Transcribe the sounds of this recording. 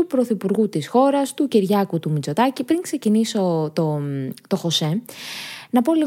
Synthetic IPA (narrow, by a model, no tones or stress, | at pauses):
upɾo̞θipuɾɣut̪isxo̞ɾɐst̪uceɾʝɐkut̪umit͡so̞t̪ɐcipɾiŋkse̞ciniso̞t̪ot̪o̞xo̞se̞ | nɐpo̞liɣ